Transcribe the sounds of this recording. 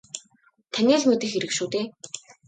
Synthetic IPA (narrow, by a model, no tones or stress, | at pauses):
t̪ʰænʲiːɮmet̪ɘ̆xeɾɘ̆kʃuːt̪eː